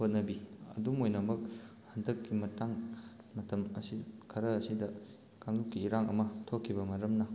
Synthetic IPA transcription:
hot̚nɐbiɐ̰dumojnɐmɐk̚ | hɐndɐkːimɐtaŋ | mɐtɐmɐsikʰɐɾɐɐsidɐ | kaŋlukːiːɾaŋɐ̰mɐtʰokʰːibɐmɐɾɐmnɐ

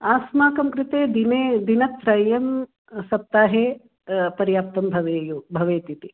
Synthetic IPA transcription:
aːsmaːkɐmkɾɪt̪eːd̪ined̪inɐt̪ːɾɐjɐm | sɐp̚t̪aːɦeː | pɐɾjaːp̚t̪ɐmbʱɐʋeːjuːbʱɐʋeːt̪it̪i

